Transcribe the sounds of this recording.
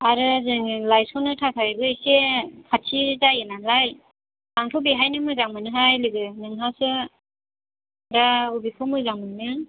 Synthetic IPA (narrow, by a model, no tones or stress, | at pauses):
aɾɯzɯŋlajsɔnɯtʰakʰajbɯejsekʰatʰizajenanlaj | aŋtʰɔbiɦajnɯmɯzaŋmɯnɯɦajlɯɡɯnɯŋɦasɯ | daubikʰɔmɯzaŋmɯnɯ